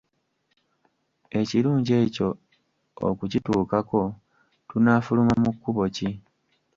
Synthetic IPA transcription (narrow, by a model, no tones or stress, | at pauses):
e̞ciɾuːɲɟe̞ːco̞ | o̰kucituːkako̞ | tunaːfulumamukːuβo̞ci